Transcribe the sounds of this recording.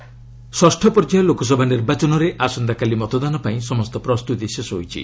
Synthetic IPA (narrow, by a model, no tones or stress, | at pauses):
swɔsʈʰɔpɔɾd͡ʒajɔlokɔs̬ɔbʱaniɾbat͡ʃɔnɔɾeʔasɔnd̪akalimɔt̪ɔd̪anɔpaĩsɔmɔst̪ɔpɾɔst̪ut̪isesɔɦo̰jt͡ʃʰḭ